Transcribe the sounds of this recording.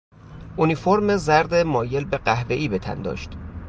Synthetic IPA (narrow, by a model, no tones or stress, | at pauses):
unifoɾmezæɾd̪emɒːje̞lbe̞ɢæhve̞ʔiːbe̞t̪ʰæ̰nd̪ɒ̰ːʃt̪